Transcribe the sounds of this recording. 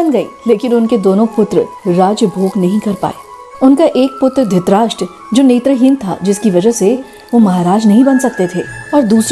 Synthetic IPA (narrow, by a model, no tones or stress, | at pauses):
ɐnɡɐḭːleːkɪnʊnked̪oːnõpʊt̪ɾəɾaːd͡ʒjəbʱoːɡnɐɦĩkɐɾpa̰ːeː | ʊnkaʔeːk̚pʊt̪ɾəd̪ʱɪt̪ɾaːʃʈə | d͡ʒoːneːt̪ɾəɦĩnt̪ʰa̰d͡ʒɪskiʋɐd͡ʒəɦse | ʋomɐɦaːɾaːd͡ʒnɐɦĩbɐnsɐk̚t̪et̪ʰeːɔːɾd̪uːs